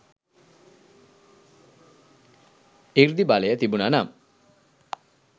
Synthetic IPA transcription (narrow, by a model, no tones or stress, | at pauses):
iɾd̪ibalejət̪ibunanam